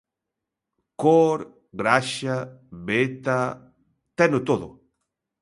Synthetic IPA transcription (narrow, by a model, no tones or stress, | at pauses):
koɾ | ɡɾaʃaβbet̪a | t̪ɛnot̪oðʊ